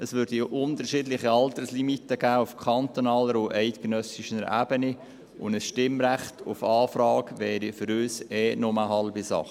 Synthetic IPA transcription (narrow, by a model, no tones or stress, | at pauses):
əsʋʏɾdiʔʊnt̪əɾʃiːdlɪχiɑltəslimitːəɡ̥æːʊfkʰɑnt̪onɑːləɾʊɛɪtɡ̥ənœsiʃənɾæ̰ːb̥əni | ʊ̰ndəsʃtɪmɾæχtʊfɑːfɾɑːkʋɛːɾifʏɾøːsɛːnʊməɦɑlbisɑ̰χ